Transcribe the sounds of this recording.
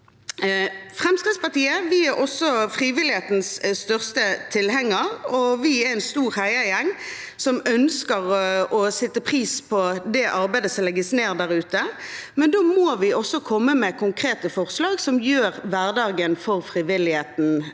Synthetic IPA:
fʁɛmskɪt̪spɑʁt̪iːəʋɪæɾʔɔsːɔfʁiːʋɪlɪheːt̪n̩sst̪œʁst̪ət̪ʰɪlɦɛŋːəʁɔʋɪɛænst̪uːɾhæɪəjɛŋː | sɔmœnskəɾɔsɛt̪ːəpʰʁiːspʰɔd̪ɛʔɑɾbæɪd̪əsɔmlɛɡːəsneːʁd̪æʁʉːt̪əmɛnd̪oːmoːʋɪɔsːɔkʰɔmːəmɛkʰʊŋkʰʁeːt̪əfɔʁslɑːɡsɔmjøːʁʋæʁd̪ɑːɡənfɔʁfʁiʋɪlɪheːt̪n̩

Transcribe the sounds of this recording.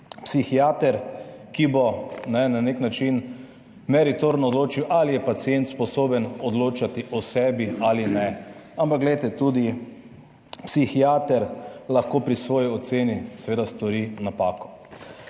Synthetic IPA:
psixiaːt̪ɛɾkibɔnɛnaneknat͡ʃin | mɛɾit̪oɾnɔːd̪loːt͡ʃiwʔalijɛpat̪sient̪spɔsoːbənɔd̪loːt͡ʃat̪iʔɔsɛːbialinɛampak̚ɡlɛjt̪ɛt̪ud̪i | psixiaːt̪ɛɾlaxkoːpɾisʋɔːjiɔt̪seːnisɛʋeːd̪ast̪ɔɾinapaːkɔ̥

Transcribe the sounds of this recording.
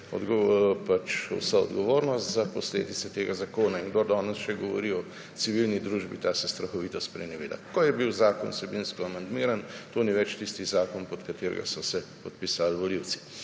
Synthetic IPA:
ɔ̰d̪ɡopat͡ʃwsaɔ̰d̪ɡɔʋoːɾnɔst̪zapɔslḛːd̪it̪sɛt̪eːɡazakoːnaiŋɡd̪oɾd̪ɔːnɛsʃɛɡɔʋɔ̰ɾiɔ | t̪siʋilnid̪ɾuːʒbit̪aːsɛst̪ɾɐxɔʋiːt̪ɔst̪̚pɾɛniʋḛːd̪a̰kojɛbiwzaːkɔ̰nsɛbinskɔamand̪miːɾant̪oːniʋɛt͡ʃt̪ist̪izaːkɔnpɔt̪kat̪eːɾɛ̰ɡa̰sɔsɛpɔt̪̚pisalʋɔliw̪si̥

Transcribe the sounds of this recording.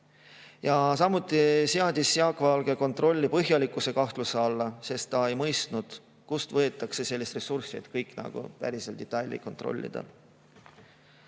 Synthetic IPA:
jɑsɑmːut̪ːˑiseɑd̪̥ʲisːeɑkːˑvɑlɡ̥e̞ko̞nt̪ˑro̞lʲːipɤɦjɑlikːˑuse̞kɑht̪luseɑlːɑse̞st̪ːɑe̞jmɤjst̪nud̪̥ | kust̪vɤ̞et̪ːˑɑkse̞se̞lʲːist̪re̞sursḭd̪̥kɤjkːˑnɑ̰ɡ̥ṵpæ̰ɾise̞ld̪̥et̪ːˑɑjlʲːḭko̞nt̪ro̞̰lʲːḭd̪̥ɑ̰

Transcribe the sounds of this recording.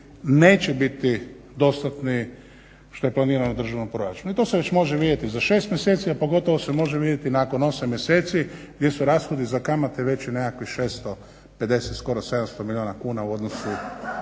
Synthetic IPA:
neːt͡ɕebit̪i | d̪o̞st̪at̪ni | ʃt̪o̞jeplˠaniːɾanod̪r̩ʒaʋnompɾoɾat͡ʃunuit̪o̞ːseʋe̞t͡ɕmo̞ʒeʋiːd̪jet̪izaʃe̞ːst̪mjeset̪siapo̞ɡo̞t̪oʋosemo̞ʒeʋiːd̪jet̪inako̞no̞samːjeseːt̪siɡd̪je̞suɾasxod̪izakamat̪eʋe̞t͡ɕinekakʋixʃeːst̪o | pe̞d̪eset̪sko̞ɾose̞d̪amst̪omilʲioːnakuːnauo̞d̪nosu

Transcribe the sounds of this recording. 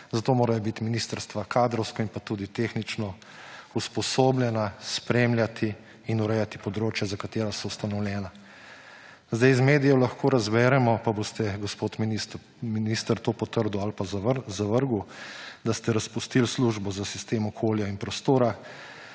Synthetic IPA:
zat̪oːmoːɾajɔbit̪iminist̪əɾst̪ʋakʰaːd̪ɾɔwskɔinpat̪uːd̪it̪eːxnit͡ʃnɔ | uspɔsoːbljɛnaspɾeːmljat̪ʰiː | nuɾɛjat̪i̥pɔd̪ɾoːt͡ʃjazakat̪eːɾasɔwst̪anɔwljɛːna | zd̪ajzmeːd̪ijɔlaxkʰoːɾazbɛːɾɛmɔpabost̪ɛɡɔspoːt̪mini | minist̪əɾt̪opɔt̪əɾd̪ualpazaʋəɾɡud̪ast̪ɛɾaspust̪ilsluʒbɔzasist̪eːmɔkʰoːljainpɾɔst̪oːɾa

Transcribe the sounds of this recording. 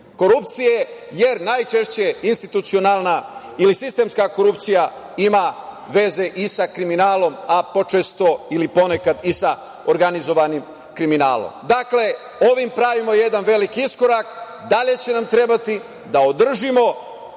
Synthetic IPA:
ko̞ɾupt̪sije̞ | je̞ɾnajt͡ʃe̞ʃt͡ɕe̞inst̪it̪ut̪sio̞nalˠna | ilisist̪e̞ːmskako̞ɾupt̪sija | ima | ʋe̞ze̞ʔisakɾiminaːlo̞mapo̞t͡ʃest̪o̞ilipo̞ne̞kad̪isa | oɾɡanizo̞ʋanim | kɾimina̰ːlo̰md̪akle̞ | o̞ʋimpɾaʋimo̞je̞d̪anʋe̞likiisko̞ɾak | d̪aʎe̞t͡ɕe̞namt̪ɾe̞bat̪i | d̪ao̞d̪r̩ʒimo̞

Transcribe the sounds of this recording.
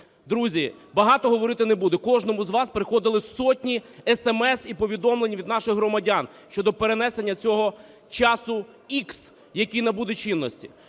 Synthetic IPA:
d̪ɾuzʲi | bɐɦɑt̪ɔɦɔʋɔɾɪt̪ɪnebud̪ɛkɔʒnɔmʊzʋɑspɾɪxɔd̪ɪlˠɪsɔtʲnʲiɛsɛmɛsipɔʋʲid̪ɔmlˠenʲiʋʲid̪nɑʃɪxɦɾɔmɐdʲan | ʃt͡ʃɔd̪ɔpeɾenɛsenʲːɐt͡sʲɔɦɔ | t͡ʃɑsʊ | iks | jɐkʲijnɐbud̪ɛt͡ʃinːɔsʲtʲi̥

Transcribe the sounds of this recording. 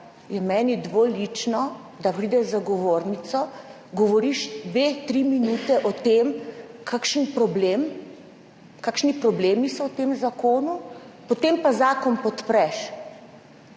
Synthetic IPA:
jɛmɛːnid̪ʋoːlit͡ʃnɔ | d̪apɾid̪ɛzaɡɔʋoːɾnit̪sɔ | ɡɔʋɔɾiʃd̪ʋeːt̪ɾiminuːt̪ɛʔɔt̪emkʰakʃənpɾɔbleːm | kaːkʃnipɾɔbleːmisɔwt̪eːmzakoːnupɔt̪empazaːkɔnpɔt̪pɾɛʃ

